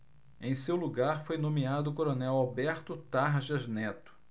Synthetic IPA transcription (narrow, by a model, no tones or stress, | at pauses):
ẽj̃sewluɡaɾfojnõmiad̪ʊːkoɾonɛwabɛɾt̪ʊt̪aɾʒɐznɛt̪ʊ̥